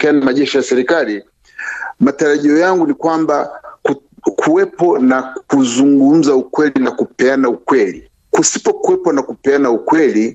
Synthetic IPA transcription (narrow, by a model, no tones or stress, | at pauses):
kanamaʄɛʃijasɛɾikali | mataɾaʄiɔjaŋɡunikwambak | kʰuwɛpɔnakuzuŋɡum̩zaukwɛlinakupɛanaukwɛli | kusi̥pɔkuwɛpɔnakupɛanaukwɛli